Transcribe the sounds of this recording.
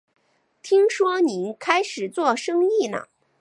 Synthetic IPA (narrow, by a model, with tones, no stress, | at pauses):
t̪ʰi˥ŋʂwɔ˥ni˧˥nkʰa˥ɪʂɻ̩˨˩t͡swɔ˥˩ʂɤ˥ŋi˥˩nə̰˩